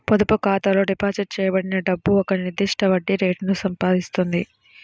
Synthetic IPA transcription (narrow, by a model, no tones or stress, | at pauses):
pod̪upukaːt̪ɐlo̞ːɖipaːt͡ʃɐɾ̚t͡ʃɛːjɐbɐɽinɐɖɐbːuɔkɐniɾd̪ːiʂʈɐʋɐɖːiɾeːʈnusɐmpaːd̪ist̪und̪i